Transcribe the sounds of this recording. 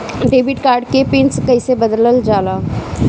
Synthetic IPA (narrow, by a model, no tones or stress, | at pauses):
ɖeːbɪʈkaːɾɖkepɪnskɐɪsebəd̪ləld͡ʒaːla